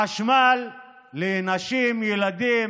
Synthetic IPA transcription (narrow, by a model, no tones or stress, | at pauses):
aʃmalː | enaʃimjɛlad̪i